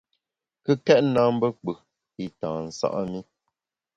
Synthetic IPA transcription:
kə˦kɛ˦ʔna˦m̩˦bə˦k͡pə˨ | i˨tãː˨n̩˨sa̰˦ʔa˦mi˦

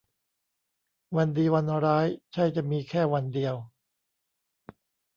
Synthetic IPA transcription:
wa˧ndiː˧wa˧nɾaː˦˥jt͡ɕʰa˥˩jt͡ɕa˨˩miː˧kʰɛː˥˩wa˧ndi˧əw

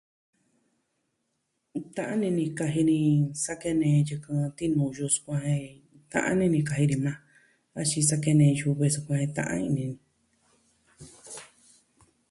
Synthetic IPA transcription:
t̪ã˧ʔã˦nĩ˧nĩ˧ka˧ɦi˧nĩ˧sa˦ke˦nẽː˧jɨ˧kɨ̃˧t̪i˦nũ˨˧˨ju˧su̥˧kʷã˧hẽ˧ | t̪ã̰˧ʔã̰˦nĩ˦˧nĩ˧ka˧ɦi˧nĩ˧mã˧ | a˧t͡ʃi˧sa˦ke˦nẽ˧ju˧βe˧su˧kʷã˧hẽ˧t̪ã̰˧ʔã̰˦ĩ˧nĩ˧nĩ˧

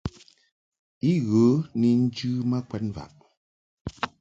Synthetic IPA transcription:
i˦ɣə˨˦ni˨n̩˦d͡ʒʉː˦ma˦kwɛ˨nva̰˨ʔ

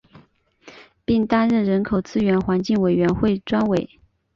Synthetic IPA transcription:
pi˥˩ŋt̪a˥nɻə˥˩nɻə˧˥nkʰo˨˩ʊt͡sɹ̩˥ɥɛ˧˥nxwa˧˥nt͡ɕi˥˩ŋwe˨˩ɪɥɛ˧˥nxwe˥˩ɪʈ͡ʂwa˥nwe˨˩˦

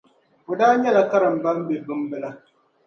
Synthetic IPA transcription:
o˨daː˦ɲɛ˦la˨ka˦ɾɨ˨m̩˨ba˦m˦bɨ˨bɨ˦m˦bɨ˦la˦

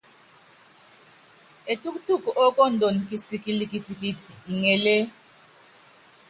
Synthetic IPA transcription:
e˨tʼu˦kʼu˦tʼu˦˨kʼɔ˨ʔɔ˦kʼɔ˦˨ndʱo˨n˨kʼi˦si˦kʼi˦li˦kʼi˦tʰi˨kʼi˦tʰi˨i˨ŋɛ˨le˦

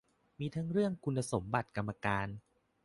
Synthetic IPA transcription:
miː˧t̪ʰa˦˥ŋɾɯ˥˩əŋkʰu˧nːa˧so˩˦mba˨˩t̪̚ka˧mːa˧kaː˧n

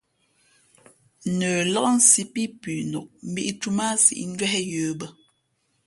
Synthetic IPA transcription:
nəː˨lɔ˦ʔn̩˦si˦pi˦pʉ˨nu˨ʔ̚m̩˦bi˦ʔtu˦ma˦sḭ˨ʔn̩˦d͡ʒwɛ˦hɛ˦jəː˨˦bə˦

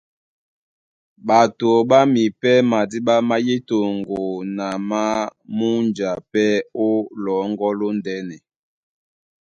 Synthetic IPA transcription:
ɓa˨to˨ɓa˦mi˨pɛ˦ma˨di˦ɓa˦ma˦je˦to˨ŋɡo˨na˨ma˦mu˦nd͡ʒa˨pɛ˦o˦lɔ˨˦ŋɡɔ˦lo˦ndɛ˦nɛ˨

